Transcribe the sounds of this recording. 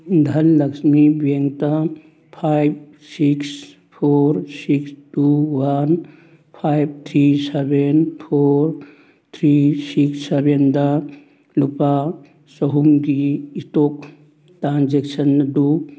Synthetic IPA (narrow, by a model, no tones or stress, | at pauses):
d̪ʱɐllɐksmibeŋtɐ | pʰajb̚ | siks | pʰoɾsikstuwan | pʰajb̚t̪ʰɾisebʱenpʰoɾ | t̪ʰɾisiksebʱendɐ | lupa | sɔɦuŋɡiːtok | tɾanzeksɐndu